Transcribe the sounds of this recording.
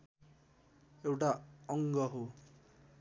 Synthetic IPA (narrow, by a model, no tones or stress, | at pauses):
ewʈaʌŋɡʌɦo